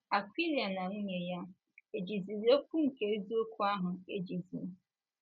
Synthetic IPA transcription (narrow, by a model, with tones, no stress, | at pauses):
a˨kʷi˦li˨a˨na˨ŋ̩˦ɲe˨ja˦ | e˨d͡ʒi˨zi˨ɾi˦o˦kʷu˦ŋ̩˨ke˨˦zu˦o˦kʷʰu˦a˦ɦʊ˨e˦d͡ʒi˨zi˨m̩˦